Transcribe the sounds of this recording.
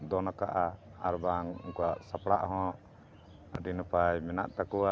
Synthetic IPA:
d̪ɔnakaʔaaɾbaŋkɔwaʔsapɽaʔɦɔ̃ʔ | ɾinɔpajmɛna̰ʔt̪akɔwa

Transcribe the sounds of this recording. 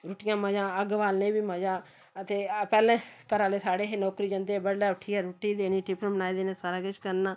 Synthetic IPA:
ɾʊːʈɪjãːməd͡ʒãːəɡʋaːlnẽːbiːməd͡ʒãː | ət̪eːpɛːlɛ̃ːkəɾaːleːsaːɽeːɦeːnɔːkɾiːd͡ʒənd̪eːbəɽlɛːʊʈʰiːɛːɾuʈːiːd̪eːniːʈɪpənbənaːiːd̪eːnẽːsaːɾaːkɪʃkəɾnaː

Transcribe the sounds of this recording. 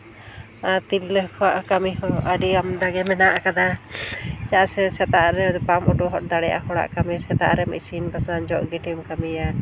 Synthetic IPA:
at̪ilːəhkʰɔwaʔkamiɦɔʔaɖiamd̪aɡɛmɛnaʔakad̪a | d͡ʒasɛsɛt̪aʔɾɛbamɔʈɔɦɔt̚d̪aɽɛja̰ɦɔɽa̰ʔkamisɛt̪a̰ʔɾɛmḭsinbasand͡ʒɔʔɡiʈimkamija

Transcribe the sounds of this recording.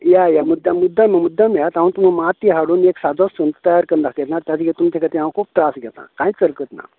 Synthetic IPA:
jajamud̪ːamud̪ʱːaməmud̪ʱːamiat̪ãũnt̪um̤amat̪iɦaɽuːneksad͡z̪ʱosənt̪t̪əjaɾkənd̪akɛt̪naɾt̪jat͡siɡet̪umt͡ɕekət̪iɦããkʰuːp̚t̪ɾasɡʱɛt̪ã̰kãĩt͡səɾkət̪na̰

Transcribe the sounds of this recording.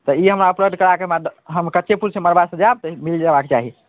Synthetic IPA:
t̪ɔiɦəmɾaupɾəɡ̚d̪ʱkəɾakemaɦəmkətːʃepuɾsẽməɾbasə̃d͡ʒab̚t̪ɔmild͡ʒabaket͡ʃaɦi

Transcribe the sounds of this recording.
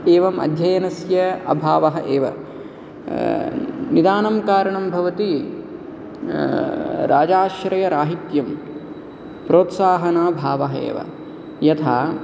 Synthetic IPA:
eːʋɐmɐ̰d̪ʱjɐjɐnɐsjɐɐ̰bʱaːʋɐɦɐʔeːʋɐ̰ | nid̪aːnɐmkaːɾɐɳɐmbʱɐʋɐt̪i | ɾaːd͡ʒaːʃɾɐjɐɾaːɦit̪jɐm | pɾoːt̪saːɦɐnaːbʱaːʋɐɦɐḛːʋɐ̰ | jɐt̪ʰaː

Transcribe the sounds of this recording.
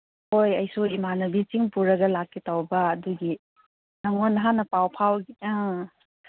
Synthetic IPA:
hojɐjsuimanɐbit͡ʃiŋpuɾɐɡɐlakːitawbɐːduɡi | naŋonːɦanɐpawpʰawɡia

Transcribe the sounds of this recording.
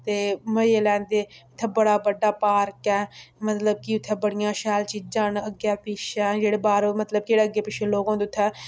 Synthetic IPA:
t̪eːməeːlɛ̃ːnd̪eːʊt̪ʰːɛːbəɽaːbəɖːaːpaːɾkɛːmət̪ləb̚kiʊt̪ʰːɛːbəɽɪjãːʃɛːlt͡ʃiːd͡ʒãːnəɡaːpɪʃɛ̃ːd͡ʒeːɽeːbaːɾmət̪ləb̚keːɽeːəɡeːpɪʃẽːloːɡãːd̪eʊt̪ʰːɛː

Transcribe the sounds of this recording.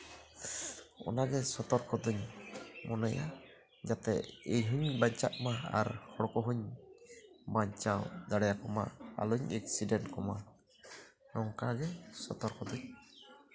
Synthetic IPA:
ɔ̰naɡɛsɔt̪ɔɾkɔd̪uɲmɔnaja̰ | d͡ʒat̪ɛejɦuɲbaɲt͡ʃaʔmaa̰ɾhɔɽɔkɔɦuɲ | baɲt͡ʃawd̪aɽɛjakɔma̰a̰luɲɛk̚sidɛntkɔma̰ | nɔŋkaɡɛsɔt̪ɔɾkɔd̪uɲ

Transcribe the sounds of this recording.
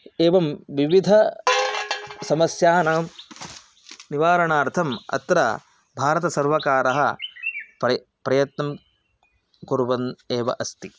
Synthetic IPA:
eːʋɐmʋiʋid̪ʱɐ | sɐmɐsjaːnaːm | niʋaːɾɐɳaːɾt̪ʰɐmɐ̰t̪ɾɐ̰ | bʱaːɾɐt̪ɐsɐɾʋɐkaːɾɐɦɐ̰ | pɾɐ | pɾɐjɐt̪nɐm | koɾuʋɐneːʋɐ̰ʔɐst̪i

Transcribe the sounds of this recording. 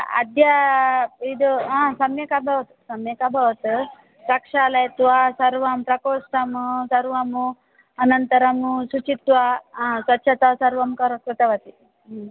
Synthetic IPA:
ɐ̰d̪jɐ | id̪uɦãːsɐmjɐkabʱɐʋɐt̪u̥sɐmjɐkɐbʱɐʋɐt̪u | ɾɐkʂaːlɐjt̪ʋasɐɾʋɐmpɾɐkoːsʈɐmsɐɾʋɐmu | ɐnɐnt̪ɐɾɐmusut͡ʃit̪ʋasʋɐtːʃʰɐt̪ɐsɐɾʋɐmkɐɾɐkɾut̪ɐʋɐt̪i

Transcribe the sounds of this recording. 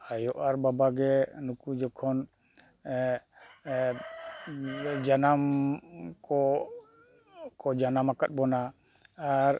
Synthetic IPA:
ajɔʔaɾbabaɡɛnukud͡ʒɔkʰɔn | d͡ʒanam | kɔ | kɔd͡ʒanamakat̪̚bɔna | aɾ

